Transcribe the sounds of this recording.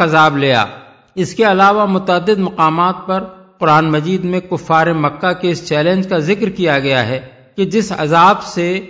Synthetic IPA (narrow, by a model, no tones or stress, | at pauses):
ɐzaːbleːja̰ː | ɪskeɐlaːʋamʊt̪əəd̪ːɪd̪mɐqaːmaːt̪̚pɐɾ | qʊɾaːnmɐd͡ʒiːd̪mẽkʊfːaːɾemɐkːakeɪst͡ʃɛːlẽnd͡ʒkazɪkɾkijaɡɐjaɦɛː | ked͡ʒɪsɐ̰zaːbse